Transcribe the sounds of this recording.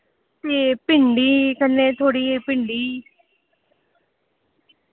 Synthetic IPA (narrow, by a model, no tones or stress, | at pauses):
t̪eːpɪɳɖiːkənːẽːt̪ʰoːɽiːepɪɳɖiː